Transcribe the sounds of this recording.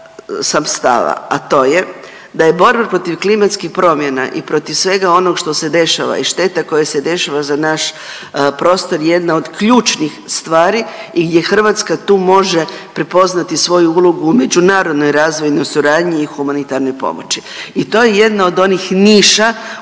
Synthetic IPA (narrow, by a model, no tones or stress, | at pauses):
samst̪a̰ʋa̰at̪o̞ːje̞ | d̪aje̞bo̞ɾbapɾo̞t̪iʋklimat̪skixpɾo̞mje̞na̰ʔḭpɾo̞t̪iʋsʋe̞ɡao̞noɡʃt̪o̞se̞d̪e̞ʃa̰ʋa̰iʃt̪e̞t̪ako̞jase̞d̪e̞ʃaʋazanaʃ | pɾo̞ːst̪o̞ɾjje̞d̪nao̞d̪kʎuːt͡ʃnixst̪ʋaːɾiiɡd̪je̞xr̩ʋat̪skat̪uːmo̞ʒe̞pɾepo̞znat̪isʋo̞juulˠoɡuːme̞d͡ʒunaːɾo̞d̪no̞jɾaːzʋo̞jnosuɾaːd̪ɲiːxumanit̪aɾno̞jpo̞̰mot͡ɕiit̪o̞ːjeje̞d̪nao̞d̪o̞nixniːʃa